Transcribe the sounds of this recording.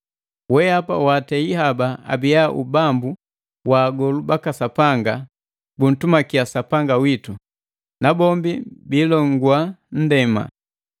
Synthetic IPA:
wɛapa̰waːtɛiɦabaa̰bijaʔṵbambu | waːɡɔlubakasapaŋɡa | bun̩tumakiasapaŋɡawitu | nabɔmbibilɔŋɡwan̩dɛma̰

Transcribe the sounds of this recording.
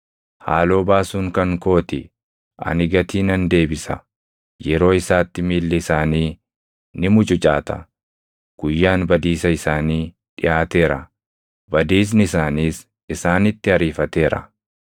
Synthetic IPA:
ha̰ːlo̞ːbaːsuːŋkɐŋko̞ːt̪ɪ | ʔɐ̰nɪɡɐt̪ʰiːnɐnd̪e̞ːbɪsɐ | jɛɾo̞ːɪsaːt̪ːɪmiːlːɪɪsaːniː | nɪmʊt͡ʃʼʊt͡ʃʼa̰ːt̪ɐ̰ | ɡ̥ʊjːaːnbɐd̪iːsɐɪsaːniː | ᶑɪʔaːt̪e̞ːɾɐ̰ | bɐd̪iːs̬nɪɪsaːniːs | ɪsaːnɪt̪ːɪɐɾiːfɐt̪e̞ːɾɐ̰

